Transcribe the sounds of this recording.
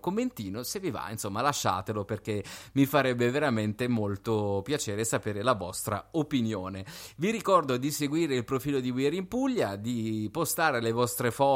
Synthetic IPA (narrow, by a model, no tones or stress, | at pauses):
komːent̪iːnoseviva̰insomːalaʃːa̰ːt̪eloperk̟emifaɾɛbːeveɾament̪emolt̪opjat͡ʃeːɾesapeːɾelavɔ̰st̪ɾa̰opinjoːneviɾikɔrd̪od̪iseɡwiːɾeilpɾofiːlod̪iwiɛɾimpuʎːad̪ipost̪aːɾelevɔst̪ɾefɔ